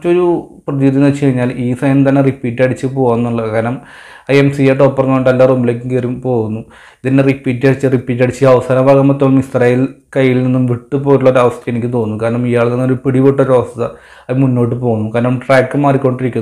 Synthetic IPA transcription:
t͡ɕːo̞ɾuprɐðjud̪jinɐt͡ɕːkɐɻiɲːaːliːsɐjɐnt̪ɐnːe̞ripiːʈːɐɽit͡ɕːɨpo̞ːɣunːuɭːɐkaːɾɐnɐm | ɐjemsiaːʈːopːɐrɐnːɐoɳɖɐlːaːrumileːk̬ʲːuŋkeɾumpo̞ːɣunːu | iðinːeripːiːtːɐɽit͡ɕːɨripːiːtːɐɽit͡ɕːɨɐʋɐsaːnɐbʱaːɡɐmːɐt̪ːoːɭumist̪rɐjil | kɐjːilninːumʋiʈːɨpoːjiʈ̬ːuɭːɐːɾɐʋɐst̪ʰɐenikʲːɨt̪o̞ːnːukaːɾɐɳɐmijaːɭninːoɾupiɽiʋeʈːoɾɐʋɐst̪ɐðɨ | ɐimunːo̞ːʈ̬ːɨpoːɣunːukaːɾɐnɐmʈraːkːɨmaːriko̞ɳɖiɾikʲːunː

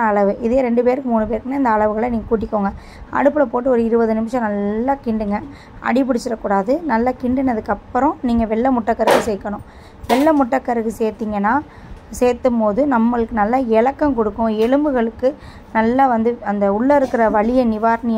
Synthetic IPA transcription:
ɐɐɭɐʋɯʔɪðeːɾɛɳɖɯpeːɾɯkːɯmuːnɯp̬eːɾɯkːɯnaːɪnd̪ɐːɭɐʋɯɣɐɭɐniːŋɡɐkuːʈ̬ːɪkːoːŋɡɐ | ɐ̰ɽɯpːɯlɐpoːʈːɯɔɾɯɪɾɯbɐðɯnɪmɪʂɐ̃nɐlːaːkɪɳɖɯŋɡɐ | ʔɐ̰ɽɪp̬ɪɽɪt͡ʃːɪɾɐkːuːɽaːðɯnɐlːakɪɳɖɯnɐðɯkːɐpːɯɾʊ̃niːŋɡɐʋɛɭːɐmʊʈːɐkːɐɾɯɣɯsɛjkːɐɳʊ̃ | ʋɛɭːɐmʊʈːɐkːɐɾɯɣɯseːɾt̪ːiːŋɡɐnːaː | seːɾt̪ːɯmpoːðɯnɐmːɐɭɯkːɯnɐlːaːɛlɐkːɐmkɔɽɯkːʊ̃ɛɻɯmbɯɣɐɭɯkːɯ | nɐlːaʋɐnd̪ɯɐnd̪ɐʊɭːɐɪɾɯkːɪɾɐʋɐɭɪjɐnɪʋaːɾnɪj

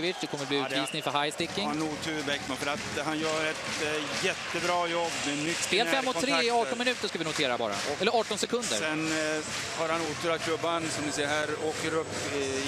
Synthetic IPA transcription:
vɪd̪ɛkʰɔmːəɾbliʉːt̪viːsnɪŋfœɾɦajst̪ɪkːɪŋanuːt̪ʰʉbɛkmafœɾat̪hanjœːɾɛt̪jɛt̪ːəbɾɑːjɔbːmɛnʏt̪ːspeːlfɛmːɔɔɾeːɑːʈɔnmɪnʉ̟ːt̪əʂkavɪnʊt̪ʰeːɾabɑ̰ːɾa̰ɛlːəɾɑːʈɔnsɛkʰɵnd̪ə̰ɾsɛn | haɾhanuːt̪ʰəɾakʰlɵbːansɔmd̪ɪsɛəhæːɾoːkəɾɵpː

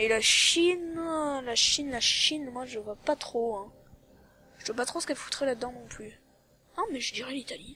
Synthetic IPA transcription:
ɛlaʃinlaʃinlaʃinmwaʒəvwapat̪χoɛ̃ | ʒ̥əvwapat̪χosə̥kɛlfu̥t̪χɛlad̪ɑ̃nɔ̃ply | ãmɛʒəd̪iʁɛlit̪ali

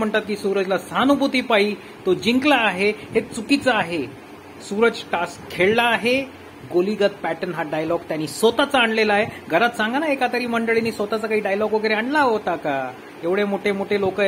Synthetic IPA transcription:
m̤əɳt̪at̪̚kiːsuɾəd͡zlasanubʱut̪iːpaɦiː | t̪od͡ʑiŋklaːɦehet͡sukit͡saːɦe | suɾəd͡ʑʈaskkʰːeɭlaːɦe | ɡoliɡət̪̚pæʈənɦaɖajlɔɡt̪janːiːsʋot̪at͡saːɳlelaaːɦeɡʱəɾat̪sãŋɡanaekat̪əɾiːməɳɖəɭinːiːsʋot̪at͡sakaɦiːɖajlɔɡʋəɡeɾeaɳlaɦot̪aka | eʋɽemoʈʰemoʈʰelokə

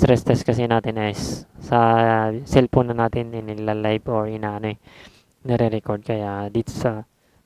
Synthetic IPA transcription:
t̪ɾɛst̪ɛskɐsɛnaːt̪ɪnɐjsːɐsɛlponɐnaːt̪ɪnɪnɪlalajboɹɪnaʔɐnoɛ | nɛɾɛɾɛkod̪̚kɐjad̪it̪sɐ

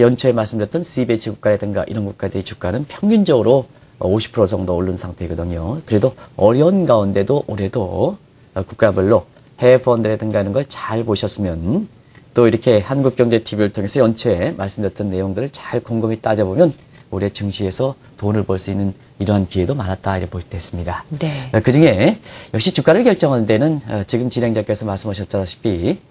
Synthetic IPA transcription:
jʌnt͡ɕʰoemaɭs͈ɯmdʌt͈ɯnsʰibet͡ɕʰiɡuk͈aɾe̞dɯŋɡa̰ʔḭɾʌnɡuk͈̚adɯɾit͡ɕuk̚k͈anɯnpʰjʌŋɡund͡ʑʌɡɯɾo | ʌ̰oɕʰi̥pʰɯɾos̬ʰʌŋdooɭːɯnsʰaŋtʰe̞ɡʌdɯɲokɯɾedoʌɾjʌnɡaunde̞doʔoɾe̞do | kuk̚k͈abɯɭːo | he̞pʰʌndɯɾe̞dɯŋɡainɯnɡʌɭt͡ɕaɭpoɕʰʌs͈ɯmjʌn | t͈oiɾʌkʰe̞hanɡuk̚k͈jʌŋd͡ʑe̞tʰibiɾɯɭtʰoŋe̞sʰʌjʌnt͡ɕʰemaɭs͈ɯmdʌt͈ʌnːe̞joŋdɯɾɯɭt͡ɕaɭkoŋɡɯmit͈ad͡ʑʌbomjʌn | oɾie̞t͡ɕɯŋɕʰie̞sʰʌ | tonɯɭpʌɭs͈uinːɯn | iɾʌɦanpie̞domanɦat̚t͈aiɾʌpoiɭt͈ees͈ɯmɲidaekɯd͡ʑuŋe̞jʌkɕ͈it͡ɕuk͈aɾɯɭkjʌɭt͡ɕ͈ʌŋannde̞nɯnʌt͡ɕiɡɯmt͡ɕine̞ŋd͡ʑak͈esʰʌmaɭs͈ɯmɦaɕʰʌt̚t͡ɕ͈aɾaɕʰi̥pʰi

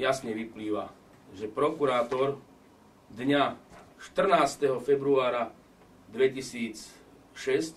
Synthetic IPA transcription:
jasɲɛʋipliːʋa | ʒɛpɾɔkuɾaːt̪ɔɾ | d̪ɲaʃt̪r̩naːst̪ɛɦɔfɛbɾuaːɾa | d̪ʋɛcisiːt͡s | ʃɛsc

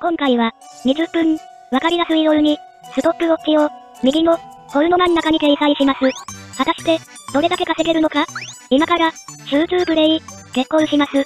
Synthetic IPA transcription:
kõ̞ŋkaiβa | ɲ̟iʑɨpːɯ̟̃ŋ | βakaɾʲid̪asɨid̪o̞ɾɯ̟ɲ̟i | sɨt̪o̞pːɯ̟o̞kkʲːio̞ | mʲiɡʲino̞ho̞ɾɯ̟no̞mãnːakaɲ̟ike̞isaiɕimasɨβat̪aɕi̥t̪e̞ | d̪̥o̞ɾe̞d̪ake̞kase̞ɡe̞ɾɯ̟no̞kaimakaɾaɕɨːt͡sɨːbɯ̟ɾe̞ike̞kːo̞ɰɕimasɨ

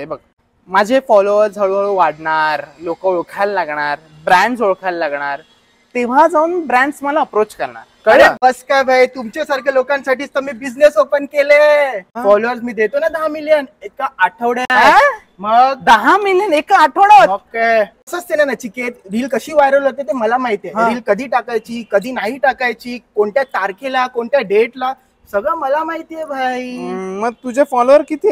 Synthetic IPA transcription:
ebəɡ̚ | mad͡ʑʱefɔloʋəɾd͡zʱaɭuʋaɽɳaɾlokəoɭkʰallaɡɳaɾ | bɾæ̃ɳɖsoɭkʰallaɡɳ̃aɾ | t̪eʋ̤ad͡zauːnbɾæ̃ɳɖsməlaəpɾot͡ɕkəɾɳa̰ɾkəəɽebəskajbʱəjt̪umt͡ɕasaɾkʰjalokãnsaʈiːst̪əmiːbid͡znesopənkeleafɔloʋəɾsmiːd̪et̪onad̪əɦãmilijənekaaʈʰəʋɽaa | məɡd̪əɦãmiljənekaaʈʰəʋɽaəokeəsəst̪enanat͡ɕiket̪ɾiːlkəɕiːʋajɾəlɦot̪et̪eməlamaɦit̪jẽɾiːlkəd̪ʱiːʈakajt͡ɕiːkəd̪ʱiːnaɦiʈakajt͡ɕiːkoɳʈjat̪aɾkelakoɳʈjaɖeʈla | səɡɭəməlamaɦit̪ijebʱajməɡ̚t̪ud͡ʑefɔloəɾkit̪iː

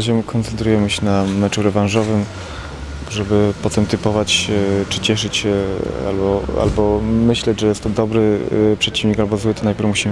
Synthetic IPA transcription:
aʑɛkʰɔnt̪sɛnt̪ɾujɛmɘɕɛnamɛt͡ʂuɾɛvãnʐɔvɘm | ʐɛbɘpɔt̪ɛmt̪ɘpɔvat͡ɕɛt͡ʂɘt͡ɕɛʂɘt͡ɕɕɛa̰lbɔa̰lbɔmɘɕlɛd͡ʑʐɛjɛst̪ːɔd̪ɔbɾɘpʂɛt͡ɕivɲikalbɔzwɘt̪ɔnajpʲɛɾfmuɕim

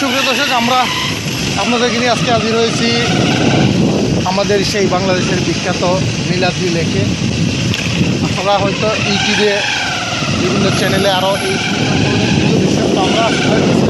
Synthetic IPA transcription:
ʃubʰɾet̪oʃ̬ed͡ʒamɾa | apnad̪eɾkiniaskeɦad͡ʑiɾɦojet͡ɕʰi | amad̪eɾʃejbaŋlad̪eʃeɾbikʰːat̪o | nilad̪ɾilekʰe | apaɾaɦɔjt̪ɔʔiʈiɾe | bibʱinːɔt͡ɕɛneleaɾoʔej | aoɾekit̪ʰubiʃt̪oamɾaaʃteɦɔi

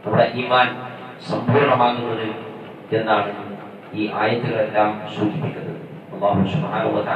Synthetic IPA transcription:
ɐʋiɽeʔiːmaːn | sɐmbʱuːɾɐɳɐmaːɣunːɐðɨ | e̞nːaːɳɨ | iːʔaːjɐt̪ːuɣɐɭe̞lːaːmsuːd͡ʑipːikʲːɐðɨ | ɐlːaːɦusubħaːnɐɦuwɐt̪ɐ

